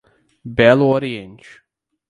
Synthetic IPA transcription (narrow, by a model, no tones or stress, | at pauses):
bɛlɔɾiɛ̃nt͡ʃ